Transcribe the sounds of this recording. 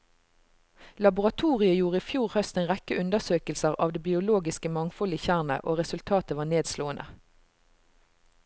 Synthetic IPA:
lɑbʊʁɑt̪ʰuːʁɪəjuːʁəiːfjuːʁhœst̪eːnʁɛkəʉnd̪əʁsøːkəlsəʁɑːʋd̪eːbɪʊloːɡɪskəmɑŋfɔlɪçæʁnə̰ʔoːʁɛsʉlt̪ʰɑːt̪əʋɑːʁneːd̪sloːənʔə̰

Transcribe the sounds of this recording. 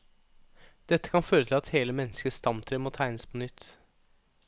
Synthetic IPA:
d̪̥ɛt̪ːə̥kʰɑnføːɾət̪ʰɪlɑt̪heːləmɛnːəskəst̪ɑmt̪ʰɾeːmoːt̪ʰæɪnəspʰɔnʏt̪ː

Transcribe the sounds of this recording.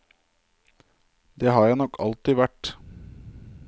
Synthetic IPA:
d̪eːɦɑːɾjæɪnɔkʰːɑ̰lt̪ɪʋæʈ

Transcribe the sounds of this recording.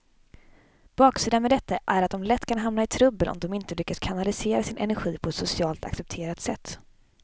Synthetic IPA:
b̥ɑːksiːd̪anmɛd̪ɛt̪ːaʔæɾat̪̚d̪ɔmlɛt̪ːkʰanɦamnaɪt̪ʰɾɵbːənʔɔ̰md̪ɔmɪnt̪əlʏkːaskʰanalɪseːɾasɪnʔɛ̰næɾɧiːpʰɔɛt̪sʊsɪɑːlt̪ʰa̰ksɛp̚t̪ʰeːɾat̪sɛt̪ː

